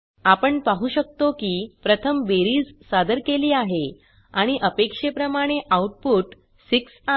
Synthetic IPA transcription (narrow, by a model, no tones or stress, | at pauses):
apəɳpaɦuːɕək̚t̪okiːpɾət̪ʰəmbeɾiːd͡zsad̪əɾkeliːaɦe | aɽ̃iʔəpekʂepɾəmaɽ̃eʔauʈ̚puːʈ | siksa